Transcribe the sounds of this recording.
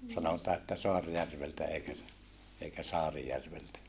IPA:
sɑnotɑː etːæ soɑrjærʋeltæ eikæ s eikæ sɑːrijærʋeltæ

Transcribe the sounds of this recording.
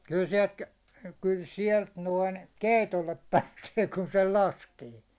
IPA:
kyl sie̞lt kyl sielt noin keˑitolːep pæːseː kun sel lɑskeː

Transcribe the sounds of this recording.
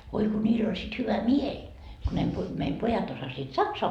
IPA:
ʋoi ko nʲiːl olʲ sit hyʋæ mielʲ ku ne pu meim pojɑt osɑsiːt sɑksoɑ

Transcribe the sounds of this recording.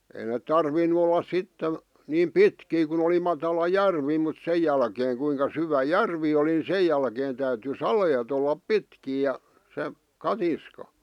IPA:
ei net̆ tɑrʋinˑu olˑɑs sitːen̞ niːm pitkiː kun oli mɑtɑlɑ jærʋi mut sej jælkeːŋ kuiŋkɑ syʋæ jærʋi oli ni sej jælkeːn tæyty sɑleːt olːɑp pitkiː jɑ se kɑtiskɑ

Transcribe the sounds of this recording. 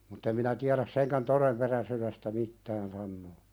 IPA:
mutː em minæ tiæɾæs seŋkæn toremperæsyɾestæ mitːæːn sɑnːoː

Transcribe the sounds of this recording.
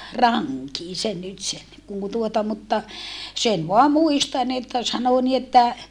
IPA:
rɑŋkin̞ sen nyt sen kun tuotɑ mutːɑ sen ʋoɑ muistɑn etːæ sɑno ni etːæ

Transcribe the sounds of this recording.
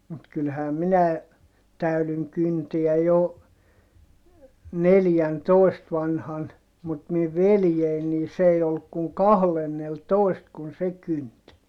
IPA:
mut kylhæː minæe tæylyŋ kynteæ jo neljæntoˑi̯st ʋɑnhɑn mut miʋ ʋeljein niː s ei olːuk kuŋ kɑhlenːeltoist kun se kynt

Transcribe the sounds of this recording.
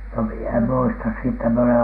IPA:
no mie em muistɑ siːtːæ mie olen

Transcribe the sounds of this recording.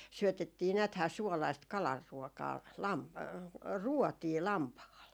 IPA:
syøtetːiː næːthæː suolɑist kɑlɑrːuotɑː lɑm ruotiː lɑmpɑhɑl

